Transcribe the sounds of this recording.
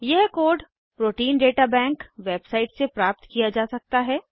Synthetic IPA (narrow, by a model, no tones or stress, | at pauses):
jɛɦkoːɖ | pɾoːʈiːnɖeːʈabɛ̃ːŋkʋeːbsaːɪʈsepɾaːp̚t̪kijad͡ʒaːsɐk̚t̪aɦɛː